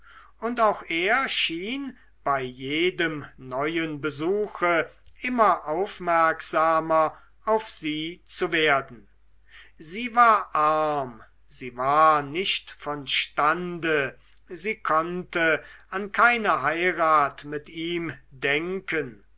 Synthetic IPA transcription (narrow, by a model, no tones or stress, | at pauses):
ʊntaʊxeːɐʃiːn | b̥aɪjeːdəmnɔʏənbəzuːxə | ʔɪmɐʔaʊfmɛɐkz̥aːmɐ | aʊfz̥iːt͡suveːɐdn̩ | ziːvaːɐʔaɐm | ziːvaːɐnɪʃtfɔnʃtandə | ziːkʰɔntəankʰaɪnəɦaɪʁaːtmɪtiːmdɛŋkən